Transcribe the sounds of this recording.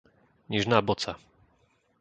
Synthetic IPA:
ɲiʐnabɔsa

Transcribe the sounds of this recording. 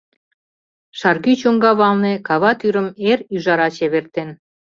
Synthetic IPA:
ʃɑrɣyt͡ɕoŋɡɑβɑlnekɑβɑt̪yɾə̆meɾyʒɑɾɑt͡ɕeβert̪en

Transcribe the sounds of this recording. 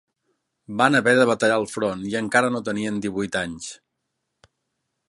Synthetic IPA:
banəβɛɾðəβət̪əʎalˠfɾoniəŋkaɾənot̪əniənd̪iβujt̪aɲs

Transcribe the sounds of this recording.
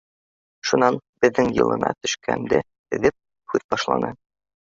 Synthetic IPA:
ʃunɑnb̥ɘ̆ðːɘŋjɤ̰̆lˠɤ̰̆nɑ̰t̪ɵ̆ʃkʰæ̰nd̪ɘ | ɘ̆ðɘp̚ | hʉðbɒʃlˠɑ̰nɤ

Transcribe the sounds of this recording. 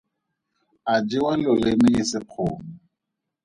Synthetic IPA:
ad͡ʒɪwalʊlenɪjɪsɪq͡χʰʊːmɔ

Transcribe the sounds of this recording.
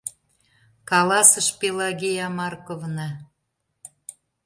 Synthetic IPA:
kɑlɑsəʃpelɑɣejɑmɑrkovnɑ

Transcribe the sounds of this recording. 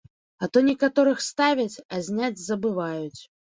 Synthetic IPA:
ɐt̪ɔnʲɛkat̪ɔɾɨxst̪avʲɐt͡sʲɐzʲnʲad͡zʲzɐbɨvajut͡sʲ

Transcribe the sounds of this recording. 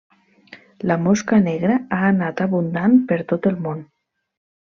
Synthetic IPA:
ləmoskəneɣɾəaənat̪aβund̪anpəɾt̪ot̪əlˠmon

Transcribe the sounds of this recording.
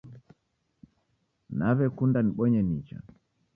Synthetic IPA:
naβɛkundaniɓɔɲɛnit͡ʃa̰

